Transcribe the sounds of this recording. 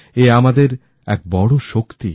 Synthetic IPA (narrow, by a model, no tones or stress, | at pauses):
eamad̪eɾ | ɛk̚bɔɽoʃokt̪ḭ